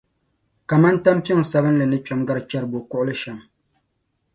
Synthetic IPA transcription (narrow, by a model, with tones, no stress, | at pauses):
ka˨ma˦n˦ta˦m˦pi˦ŋ˨sa˦bɨ˦n˦lɨ˨nɨ˦t͡ʃᶣa˦mɡa˦ɾɨ˦t͡ʃɛ˦ɾɨ˨bo˨kʊ˦ʔʊ˦lɨ˦ʃɛ˨m